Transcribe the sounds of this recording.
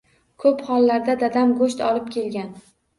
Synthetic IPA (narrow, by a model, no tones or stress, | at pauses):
kʰɵphɒlˠːaɾd̪ad̪ad̪amɡɵʃt̪ʰɒlɪp̚kʲʰe̞lɡʲan